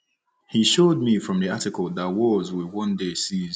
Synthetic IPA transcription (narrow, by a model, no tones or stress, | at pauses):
hiʃod̚mifɹɔ̃mðiatɪkəlˠðatwɔzwɪwɔ̃ndesiz